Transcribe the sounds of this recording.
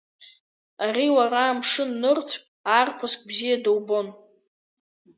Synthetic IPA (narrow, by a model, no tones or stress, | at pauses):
ariwaɾaːmʂɨnːɨrt͡sʷʰkʼaːrpʷʰaskʼbzijadawbo̞n